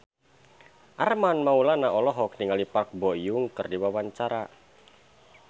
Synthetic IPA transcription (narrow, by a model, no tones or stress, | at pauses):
ʔarmanmaulanaʔɔlɔɦɔk̚niŋalipak̚bɔjʊŋkərdiwawaɲt͡ʃaɾa